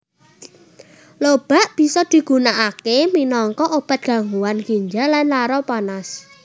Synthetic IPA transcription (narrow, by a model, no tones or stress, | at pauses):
lob̥a̤ʔb̥i̤sɔd̪̥i̤ɡ̥ṳnaʔakeminɔŋkɔʔob̥a̤t̪̚ɡ̥a̤ŋuwanɡiɲd͡ʒalanlaɾɔpanas